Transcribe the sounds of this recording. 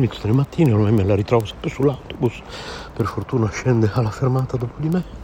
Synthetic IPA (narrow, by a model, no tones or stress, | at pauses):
mit̪sd̪elemat̪ːiːneolmamːelaɾit̪ɾɔːvosɛ̥mpːɾesulːawt̪obus | perfort̪uːnaʃːɛnd̪ealːafermaːt̪ad̪opod̪imɛ